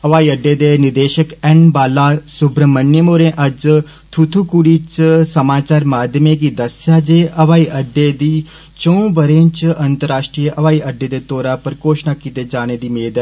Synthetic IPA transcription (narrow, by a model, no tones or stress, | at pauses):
əʋaːiːəɖːeːd̪eːnɪd̪eːʃəkɛɳbaːlaːsʊbɾəmənːjəmoːɾẽːʔɐd͡ʒ | t̪ʰut̪ʰuːkuɽiːt͡ʃsəmaːt͡ʃaːɾmaːd̪ʱjəmek̬iːd̪əsjad͡ʒeːʔɐʋaːiːʔəɖeːd̪iː | t͡ʃõũbəɾẽːnt͡ʃɐnt̪əɾaːʃʈɾiːəʔɐʋaːiəɖːeːd̪eːt̪oːɾaːpəɾkoːʃnakit̪ed͡ʒaːɽ̃ed̪iːmeːd̪ə